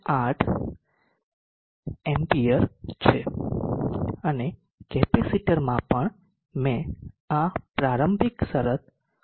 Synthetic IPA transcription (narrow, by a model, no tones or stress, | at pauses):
aʈʰ | empiəɾt͡ʃʰe | əne | kɛpesiʈəɾmãpəɳ | mẽ | apɾaɾəmbʱiksəɾət̪̚